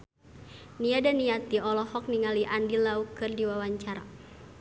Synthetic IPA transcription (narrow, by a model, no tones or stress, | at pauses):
niadaniat̪iɔlɔhɔk̚niŋaliʔandilaukɨrdiwawaɲt͡ʃaɾa̰